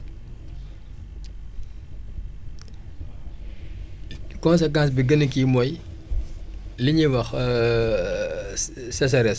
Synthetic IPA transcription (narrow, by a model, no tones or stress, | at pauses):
kɔns̬ɛkãsbiɡɐnəkimɔj | liɲiwɐx | sɐs̬ɐɾɛs